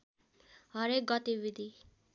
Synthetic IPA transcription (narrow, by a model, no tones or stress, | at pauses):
ɦʌɾek̚ɡʌt̪ibid̪ʱi